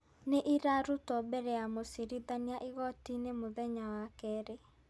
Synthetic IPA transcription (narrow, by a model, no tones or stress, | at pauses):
neʔiɾaɾutɔbɛɾɛamosiɾiðaniaʔiɣɔtinemoðɛɲawakɛɾe